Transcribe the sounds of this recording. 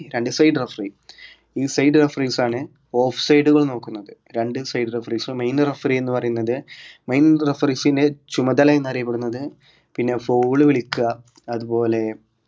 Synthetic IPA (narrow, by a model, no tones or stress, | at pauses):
ɾeɳɖɨsɐjɖrɐfri | iːsɐjɖɨrɐfrisaːɳɨ | o̞ːfsɐjɖuɣɐɭno̞ːkːunːɐðɨɾeɳɖɨsɐjɖɨrefriːsɨmɐjnrɐfrienːɨpɐrɐjunːɐðɨmɐjnrefɐrisinde̞t͡ɕumɐd̪ɐlɐjnɐrijɐpːeɽunːɐðɨ | pinːe̞foːɭɨʋiɭikʲːuɣɐː | ðupo̞ːle̞